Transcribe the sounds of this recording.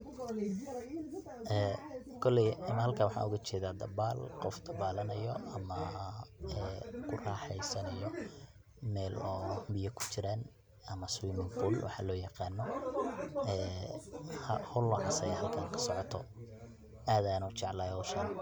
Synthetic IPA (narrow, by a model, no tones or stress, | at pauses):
ɛː | kʰɔlɛjɪmɐhɐlkʰaːwɑħɑ̰ːʊɣɐt͡ʃʰɛːðaːd̪ɐβaːlqɔfd̪ɐβaːlɐnɐjɔ̰ɐmɐ | ɛːkʰʊraːħɛjsɐnɐjɔ | mɛːlɔːbɪjɐkʰʊ̥t͡ʃɪɾaːn | ɐmɐswimɪŋfulwɑ̰ħɑ̰ːlɔːjɑqɑːnːɔ | ɛː | hɐhʊlːɔʕɑsɐɦɐlkʰaːŋkʰɐ̥sɔʕɔt̪ʰɔ | aːðaːnɔt͡ʃɑʕlaːjɔʃɐn